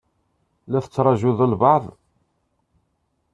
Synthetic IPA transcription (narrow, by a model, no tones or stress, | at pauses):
læθə̥t͡sːɾˤɑʒuðəlbɑʕðˤ